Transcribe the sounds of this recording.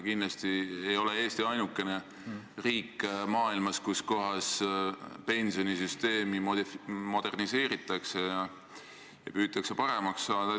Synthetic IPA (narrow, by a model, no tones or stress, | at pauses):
kindlɑst̪iejo̞lee̞ːst̪iɑjnukːˑe̞ne̞ | riːkːˑmɑːilmɑskusko̞ɦɑs | pe̞nʲsio̞nisyst̪e̞ːmimmo̞d̪̥e̞rnise̞ːɾit̪ːˑɑksejɑ | jɑ̰pyːt̪ːˑɑkse̞pɑɾe̞mɑksːɑːd̪̥ɑ